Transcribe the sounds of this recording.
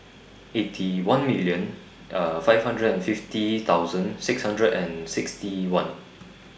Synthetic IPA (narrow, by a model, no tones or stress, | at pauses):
ʔetʰiwãnmiljə̃n | fajvhãndɹədɛ̃nfiftit̪awzə̃nsɪkshãndɹədɛ̃nsɪkstiwãn